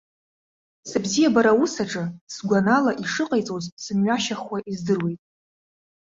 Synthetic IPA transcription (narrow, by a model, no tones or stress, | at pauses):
sabzijabaɾawusaʈ͡ʂʼɨsɡʷanalaʔiʂɨqʼajt͡sʼozsɨmɥaʃaχwaʔizdɨrwe̞jtʼ